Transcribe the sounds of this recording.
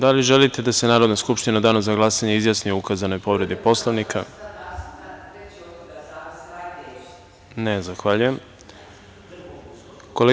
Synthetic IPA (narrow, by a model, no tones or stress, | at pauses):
d̪aliʒelit̪e̞d̪ase̞naːɾo̞d̪naskupʃt̪inad̪aːnuzaɡlˠasaɲeizjasnioukazano̞jpo̞ʋɾe̞d̪ipo̞slˠoʋnikʰa̰ | nezaxʋaʎujem | kole